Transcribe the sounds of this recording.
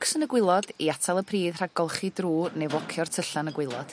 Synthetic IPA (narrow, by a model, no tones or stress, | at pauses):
ksənəɡwɪlˠɔdiatʰalˠəpʰriːðr̥aɡɔlˠχidruːnevɔkʰjɔrtʰəɬanəɡwɪlˠɔd̥